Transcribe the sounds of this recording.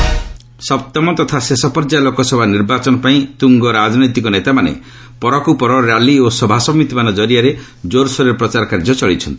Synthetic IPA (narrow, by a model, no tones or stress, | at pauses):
sɔp̚t̪ɔmɔt̪ɔt̪ʰasesɔpɔɾd͡ʒalokɔsɔbʱaniɾbat͡ʃɔnɔpaĩt̪uŋɡɔɾad͡ʒɔnɔjt̪ikɔnet̪amanḛ | pɔɾɔkupɔɾɔɾaliosɔbʱasɔmit̪imanɔd͡ʒɔɾijaɾe | d͡ʒoɾsɔɾeɾpɾɔt͡ʃaɾɔkaɾd͡ʒɔt͡ʃɔɭit͡ʃʰɔnt̪i̥